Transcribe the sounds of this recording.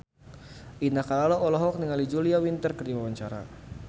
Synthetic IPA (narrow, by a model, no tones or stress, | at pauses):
ʔinakalalɔɔlɔɦɔk̚niŋalid͡ʒuliawint̪ərkərdiwawaɲt͡ʃaɾa̰